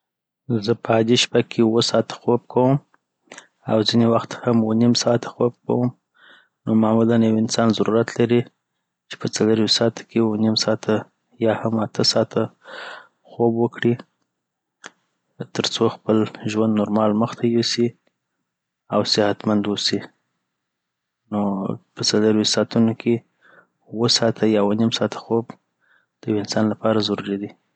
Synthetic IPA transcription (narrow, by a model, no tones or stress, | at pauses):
zəpʰəad̪iʃpakʰewəsɑt̪ḁxob̚kʰawəm | awzinewaxt̪hamwənimsɑt̪ʰḁxob̚ka̰wəm | nomamulanjawɪnsɑnzaɾuɾat̪ʰlaɾi | t͡ʃe̥pət͡saləɾisɑt̪ʰḁkʰewonimsɑt̪ʰa | jɑhamat̪ʰəsɑt̪ʰa | xobwəkɽi | t̪əɾt͡soxpəlʒwand̪noɾmɑlməxt̪ʰajosi | awsɪhat̪mand̪wosi | nopət͡saləɾwisɑt̪unokʰe | wəsɑt̪ʰajɑwonimsɑt̪ʰḁxob | d̪̥əwɪnsɑnlapɑɾazaɾuɾid̪i